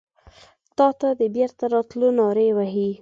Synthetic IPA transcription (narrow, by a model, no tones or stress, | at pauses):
t̪ɑt̪ad̪əbjeɾt̪aɾɑt̪lonɑɾewaɦi